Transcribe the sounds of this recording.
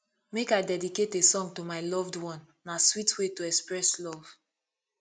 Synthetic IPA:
mekaɪdɛdiketesɔ̃ŋtomaɪlɔvdwɔ̃nːaswitʰwetoɛkspɹɛslɔv̥

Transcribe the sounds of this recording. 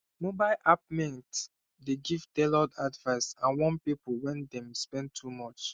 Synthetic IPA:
mobaɪlʔap̚mĩŋt | deɡivdɛlɔdadvaɪsãnwɔ̃npipəlwɛ̃ndɛ̃mspɛ̃n̚tʰumɔt͡ʃ

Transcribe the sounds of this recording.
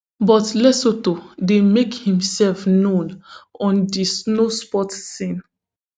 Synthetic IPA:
bɔtlɛsotodemekhĩmsɛlfnõnɔ̃ndisnospɔtsĩn

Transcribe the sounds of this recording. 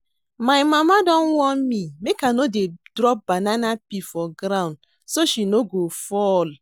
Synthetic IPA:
majmamadɔŋ̩ŋʷɔm̩mimekanodedɾɔp̚bananapifɔɡɾaʊ̃nd | soʃinoɡofɔl

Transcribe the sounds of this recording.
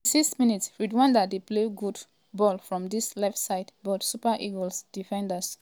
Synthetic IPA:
sikstmĩnitsfɹidwãndədepleɡud | bɔlfɹɔ̃mdislɛftsaɪdbɔtsupəʔiɡɔlsd̥ifɛ̃ndas

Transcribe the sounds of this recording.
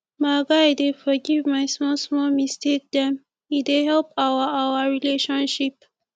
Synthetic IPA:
maɡajdefɔɡivmajsmɔlsmɔlmistʰek̚d̪ɛ̃m | ideɦɛlpawəawəɹileʃɔ̃nʃip

